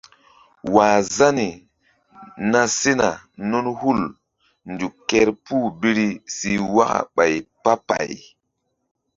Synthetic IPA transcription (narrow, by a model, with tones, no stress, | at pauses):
waː˨za˦ni˨ | na˦se˦na˨nu˦nhu˦˨l | ndu˨kːe˦ɾpuː˦˨bi˦ɾi˦si˨wa˦ka̰˨ɓa˨jpa˦pa̰˨j